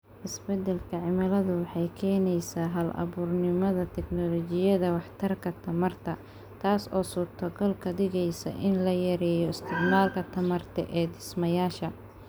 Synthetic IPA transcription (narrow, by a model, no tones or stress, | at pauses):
ʔɪsbɛd̪ɛlkʰɐʕɪmɐlɐðʊwɑħɑjkʰɛːnɛjsaːɦɐlʔɐ̰βuːrnɪmɐðɐt̪ʰɛknɔlɔt͡ʃɪjɐðɐwɑħt̪ʰɐrkʰɐt̪ʰɐmɐrt̪ʰɐ | t̪ʰaːsɔ̰ːsʊt̪ʰɐɡɔlkʰɐd̪ɪɣɛjsɐ̰ʔɪnlɐjɛɾɛːjɔɪst̪ʰɪɡmaːlkʰɐt̪ʰɐmɐrt̪ʰɛ̰ʔɛːd̪ɪsmɐjaːʃɐ